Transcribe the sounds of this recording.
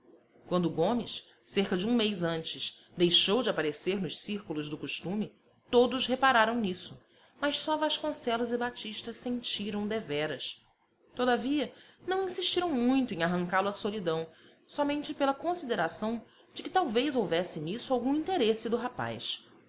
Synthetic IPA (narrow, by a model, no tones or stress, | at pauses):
kwɐ̃nd̪ʊɡõmɪʃ | seɾkɐd͡ʒɪũmejzɐ̃nt͡ʃɪs | d̪ejʃowd͡ʒɪapaɾeseɾnʊʃsiɾkulʊzd̪ʊkuʃt̪ũmɪ | t̪od̪ʊzɦepaɾaɾɐ̃w̃nisʊ | mɐʃsɔvaʃkõsɛlʊzɪbat͡ʃiʃt̪ɐssẽnt͡ʃiɾɐ̃w̃d̪evɛɾɐs | t̪od̪aviɐnɐ̃w̃ĩsiʃt͡ʃiɾɐ̃w̃mũj̃t̪ʊẽj̃aɦɐ̃ŋkalʊɐsolid̪ɐ̃w̃ | sɔmẽnt͡ʃɪpelɐkõsid̪eɾasɐ̃w̃ | d͡ʒɪkɪt̪awvejzowvɛsɪnisʊawɡũĩnt̪eɾesɪd̪ʊɦapa̰js